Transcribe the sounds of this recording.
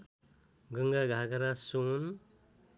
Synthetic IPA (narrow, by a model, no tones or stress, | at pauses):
ɡɯŋɡaɡʱaɡaɾasun